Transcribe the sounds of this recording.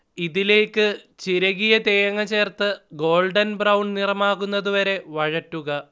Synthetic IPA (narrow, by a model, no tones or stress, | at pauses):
iðile̞ːkːɨt͡ɕiɾɐɣijɐt̪eːɐŋɐt͡ɕe̞ːrt̪ɨɡo̞ːlɖɐnbrɐwɳɖnirɐmaːɣunːɐðuʋɐɾe̞ʋɐɻɐtːuɣɐ